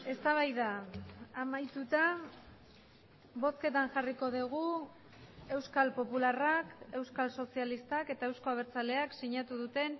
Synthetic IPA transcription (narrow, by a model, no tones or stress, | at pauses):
e̞st̪aβ̞ajðaː | majt̪ut̪a | βo̞ske̞t̪anʝariko̞ðeɣ̞u | e̞wskalpo̞pularake̞wskalso̞sialist̪ake̞t̪ae̞wsko̞aβ̞eɾt͡sale̞aksiɲat̪uðut̪e̞n